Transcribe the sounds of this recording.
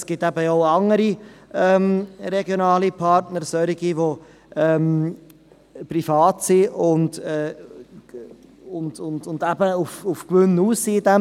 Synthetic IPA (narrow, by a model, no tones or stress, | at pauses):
sɡ̥ɪtæbəoʊɑŋəɾiɛmɾɛɡjonɑːlipʰɑɾtnəɾsœɾiɡiʋo | ʔɛːm | pɾifɑːtsiʊndɛː | ʊndʊndʊndæbəufufkʋʏnːuːssiːdɛ